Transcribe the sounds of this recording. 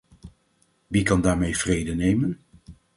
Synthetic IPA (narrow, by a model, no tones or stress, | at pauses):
ʋikɑndaːɹmejv̥rejdənejmən